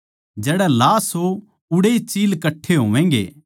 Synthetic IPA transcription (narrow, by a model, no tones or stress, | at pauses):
d͡ʒɛːɽɛlaːsɦo | ʊɽeit͡ʃiːlkɐʈʰːeɦoːʋɛ̃ːŋɡḛː